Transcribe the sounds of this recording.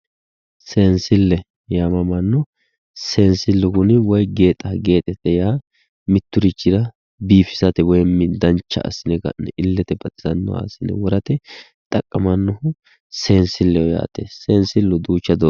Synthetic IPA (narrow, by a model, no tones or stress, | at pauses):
seːnsɪlːɛ | jamɐmɐnːɔ | seːnsɪlːʊɡʊnɪwɔjɡe̞ːt̪ʼɐɡe̞ːt̪ʼɛt̪ːɛjaː | mɪt̪ːʊɾɪt͡ʃʼːɪɾɐ | biːfɪsɐt̪ɛwɔjɛmːɪd̪ɐnt͡ʃːɐ̰ʔɐ̰sːɪnɛɡɐ̰nːɛʔɪlːɛt̪ɛbɐt̪ʼɪzɐnːɔ̰wa̰ːsɪnɛ̰wɔɾɐt̪ɛ | t̪ʼɐkʼːɐmɐnːɔhʊ | seːnsɪlːɛwɔja̰ːt̪ḛseːnsɪlːʊd̪uːt͡ʃːɐd̪ɔ